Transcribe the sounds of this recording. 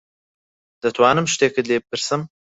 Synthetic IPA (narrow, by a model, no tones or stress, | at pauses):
d̪̥ɨt̪ʰwɑːnɨmʃt̪eːkɨd̪leːbpɨɾsɨm